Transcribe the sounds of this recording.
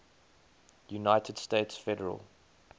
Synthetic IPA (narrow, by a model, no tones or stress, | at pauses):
junaɪtʰəd̥steɪtsfɛdəɹə̰lˠ